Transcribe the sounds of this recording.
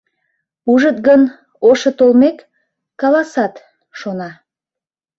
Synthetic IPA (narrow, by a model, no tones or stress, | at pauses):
uʒət̪̚ɡən | oʃə̆t̪olmekː | ɑlˠɑsɑt̪ | ʃonɑ